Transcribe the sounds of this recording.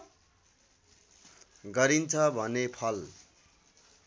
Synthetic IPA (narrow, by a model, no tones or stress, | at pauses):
ɡʌɾint͡sʰʌbʱʌnepʰʌl